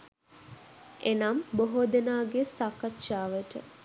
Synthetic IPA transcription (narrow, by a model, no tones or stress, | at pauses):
ʔenamboɦod̪enaːɡesakːatːʃaːʋəʈə̰